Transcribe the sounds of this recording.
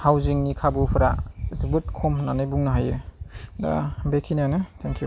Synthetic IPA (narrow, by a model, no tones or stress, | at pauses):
hawziŋnikʰabupʰɯɾazɯbɯt̚kʰɔmɦɯnanɯjbuŋnaɦajɯda̰bekʰinianɯtʰeŋkʰju